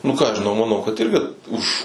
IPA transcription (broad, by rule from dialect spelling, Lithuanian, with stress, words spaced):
nʊ kɑː ɐʃ ʒʲɪˈnɐʊ mɐˈnɐʊ kɐt ˈɪrʲɡʲɪ ʊʃ